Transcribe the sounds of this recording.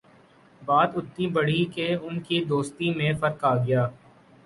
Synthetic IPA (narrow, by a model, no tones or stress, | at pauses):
baːt̪ʊt̪ːibɐɽ̤ikeʊnkid̪oːst̪imẽfɐɾkaːɡɪjaː